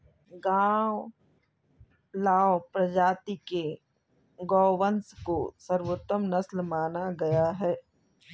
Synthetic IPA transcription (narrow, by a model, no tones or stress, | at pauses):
ɡãːw | laːpɾɐd͡ʒaːt̪ike | ɡɔːʋənskosəɾʋot̪ːəmnɐslmaːnaɡɐjaɦɛː